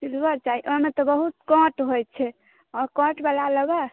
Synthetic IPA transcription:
silbəɾt͡ʃaiʔɔmet̪ɔbəɦut̪kɔ̃ʈɦojt͡ʃʰɛ | ɔɾkɔ̃ʈbəlaləɡa

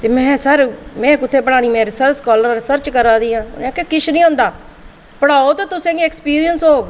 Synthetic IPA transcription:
t̪eːmɛ̃ːsəɾmɛ̃ːkʊt̪ʰːeːpəɽaːɽ̃iːmɛ̃ːɾɪsəɾskɔːləɾːɪsəɾt͡ʃkəɾaːd̪iːã̰ːnɛ̃ːkekɪt͡ʃʰnĩːʊ̃ːnd̪aː | pəɽaːoːt̪oːt̪ʊsẽːɡiːɛkspiːɾijənsɦoːɡ

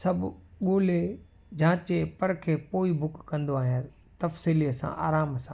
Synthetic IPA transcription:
sɐbɠoːle | d͡ʑãːt͡ɕepɐɾkʰeːpoːibʱʊkːɐ̃nd̪oaːɦijə | t̪ɐfsiːliəsã̰ʔa̰ːɾaːmsã̰ː

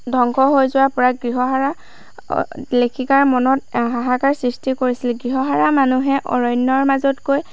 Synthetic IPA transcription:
dʱɔŋkʰɔɦojzʊwapʊɹaɡɹiɦɔɦaɹa̰ | lekʰikaɹmɔnɔtɦaɦakaɹsɹistikoɹisilɡɹiɦɔɦaɹamanuɦɛʔɔ̰ɹɔjnːɔɹmazɔtkoj

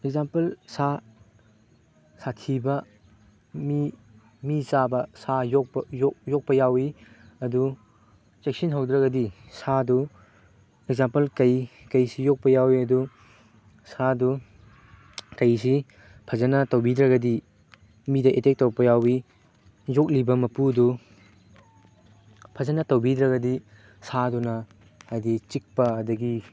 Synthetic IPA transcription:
ek̚zampɐlsa | satʰibɐ | mi | misabɐsajok̚pjojok̚pɐjawi | ɐdu | t͡ʃek̚sinɦɐwd̪ɾɐɡɐdisadu | ek̚zampɐlkɐjkɐjsijok̚pɐjawiɐdu | sadu | kɐjsi | pʰɐzɐnɐtɐwbid̪ɾɐɡɐdi | midɐʔetek̚towpɐjawi | zok̚libɐmɐpudu | pʰɐzɐnɐtɐwbid̪ɾɐɡɐdi | sadunɐ | hajdit͡ʃik̚pɐːdɐɡi

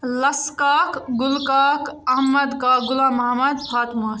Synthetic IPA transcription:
lɐskakɡulkakɐɦmɐd̪kaɡʊlãmɐɦmɐd̪pʰaːt̪mo

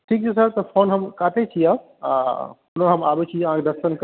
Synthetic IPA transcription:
ʈʰiːk̚t͡ʃʰes̬əɾt̪ɔpʰoːnɦɐmkaːt̪ʰet͡ʃʰija̰ | pʊnoɦɐmaːbet͡ʃʰiãːkd̪ɐsənk

